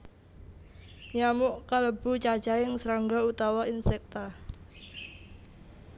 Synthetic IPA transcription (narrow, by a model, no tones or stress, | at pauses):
ɲamʊʔkaləb̥ut͡ʃḁt͡ʃaɪŋsɾaŋɡɔut̪awainsɛk̚t̪a